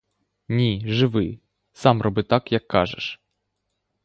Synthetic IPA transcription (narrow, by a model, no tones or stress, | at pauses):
nʲiʐɪʋɪ | sɑmrʔɔbɪt̪akjɐkʰːɑ̰ʒḛʂ